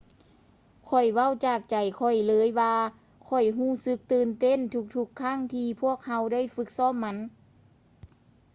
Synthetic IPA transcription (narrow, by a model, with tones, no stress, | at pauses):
kʰɔ˨˩jwa˧˥˩wt͡ɕaː˧˩k̚t͡ɕa˨˩jkʰɔ˨˩jlɤː˧˦jwaː˧ | kʰɔ˨˩jɦuː˧˥˩sɯ˧˦˥k̚t̪ɯː˧˩nt̪e˧˥˨nt̪ʰu˧k̚t̪ʰu˧˥kʰːaː˧˥˨ŋt̪ʰiː˧pʰu˥˩ək̚ha˧˥wda˥˨jfɯ˧˦˥k̚sɔː˥˨mːa˧˥n